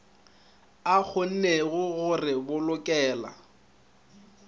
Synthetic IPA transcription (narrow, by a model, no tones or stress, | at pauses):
ak͡xʰon̩neɣʊɣʊrɪbʊlʊkʼɛːla̰